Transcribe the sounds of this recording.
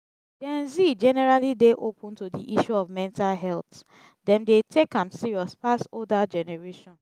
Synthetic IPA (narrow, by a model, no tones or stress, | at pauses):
d̥ɛ̃nzid͡ʒɛnɛɹalideʔopʰũntudiʔiʃuɔvmɛ̃ntalɦɛlt | dɛ̃mdetʰekãmsiɹiɔspastodad͡ʒɛnɛɹeʃɔ̃n